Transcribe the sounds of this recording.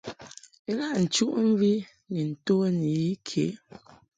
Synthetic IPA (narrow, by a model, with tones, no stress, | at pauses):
e˦la˦˨ʔn̩˨t͡ʃu˦ʔɱ̩˦vi˦ | ni˨n̩˨to˦ni˨ji˦kʰe˨˦